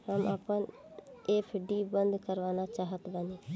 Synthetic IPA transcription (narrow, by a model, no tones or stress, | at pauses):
həməpən | eːpʰɖiːbə̃nd̪ʱkəɾʋaːnat͡ʃaːɦət̪bəni